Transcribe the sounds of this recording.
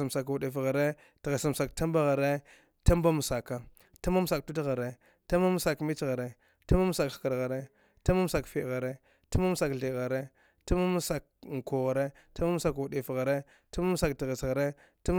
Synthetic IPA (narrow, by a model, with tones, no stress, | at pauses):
a˨m˨sa˨kwu˨ɗe˨fɣa˨ɾe˦ | ti˨ɣe˨sa˨m˨sa˨kta˦mba˦ɣa˨ɾe˦ | ta˦mba˦mu˨sa˨ka˨ | ta˦ma˦m˦sa˨k̚tu˦dɣa˨ɾe˦ | ta˦ma˦m˦sa˨kmi˦t͡ʃɣa˨ɾe˦ | ta˦ma˦m˦sa˨kxka˨ɾɣa˨ɾe˦ | ta˦ma˦m˦sa˨kfi˦˨ɣa˨ɾe˦ | ta˦ma˦m˦sa˨kɬi˨ɣa˨ɾe˦ | ta˦ma˦mu˦sa˨k̚ŋ˨ko˨ɣa˨ɾe˦ | ta˦m˦a˦m˦sa˨kwu˨ɗi˨fɣa˨ɾe˦ | ta˦ma˦m˦sa˨kti˨ɣe˨sɣa˨ɾe˦ | ta˦m˦